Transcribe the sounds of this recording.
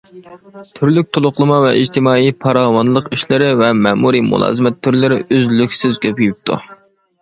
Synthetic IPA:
t̪ʰyɾlyk̚ʲt̪ʰolˠʊχlˠɨmɑvɛ̰ʔid͡ʒt̪ʰɪmɑːijpʰɑɾɑːwɑnlˠəqiʃlɪɾɪvɛmɛmuɾimṵlˠɑ̰ːzɨmɛt̪ʰːyɾlɪɾɪʔyzlykʲsɪzkʲøpʰyjyp̚t̪ʰṵ

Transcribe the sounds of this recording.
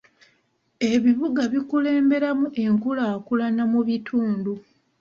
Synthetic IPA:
e̞βiβuɡaβikule̞ːmbe̞ɾamuʔe̞ŋkulaːkulanamuβitʰuːndu

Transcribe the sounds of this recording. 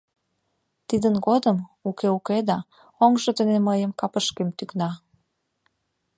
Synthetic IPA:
t̪id̪ənɡod̪əmukeuked̪ɑ | oŋʒot̪əneməjəmkɑpəʃkemt̪yknɑ

